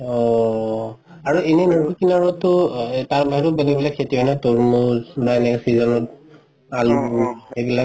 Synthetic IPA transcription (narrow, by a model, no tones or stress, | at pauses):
ɔ | aɹuenɛnɔukinaɹɔtɔtaɹbaɦitɔbɛlɛk̚bɛlakʰetiɔnɛtoɹmuznaɛnɛksizɔnɔt̚ | aluebila